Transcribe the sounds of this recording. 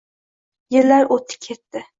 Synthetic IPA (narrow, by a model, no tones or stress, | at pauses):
jɪlːaɾot̪ʰɪ̥kʲʰe̞t̪ːɪ